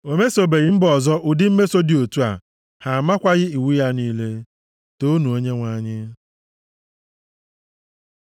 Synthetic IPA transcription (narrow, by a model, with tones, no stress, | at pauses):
o˨me˦so˨be˨ɣɪ˦m̩˦bɔ˨zɔ˦ʔʊ˨dɪ˦m̩˦me˦so˦dɪ˨o˨tu˦a̰˨ | ha˨ma˦kʷa˦ɣɪ˦i˨wu˦ja˦niː˦le˦ | to˦nu˨o˦ɲe˦ŋʷa˨ɲɪ˦